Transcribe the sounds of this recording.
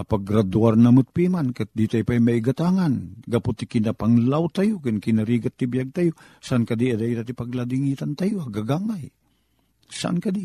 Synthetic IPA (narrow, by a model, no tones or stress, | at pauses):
apaɡɾad̪uarnamɨt̪̚pimankat̪̚d̪it̪ajpajmaiɡat̪aŋanɡapʊt̪ːikɪnapaŋlawt̪ajʊkɨnkɪnaɾiɡat̪ːibijaɡ̚t̪ajosaʔankad̪iad̪ajit̪at̪ipaɡlad̪iŋit̪ant̪ajʊaɡaɡamaj | sa̰ʔa̰nkad̪i